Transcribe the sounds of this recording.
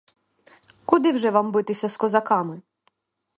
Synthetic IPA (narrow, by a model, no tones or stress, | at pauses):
kʊd̪ɪwʒɛʋɑmbɪt̪ɪsʲɐskɔzɐkɑmɪ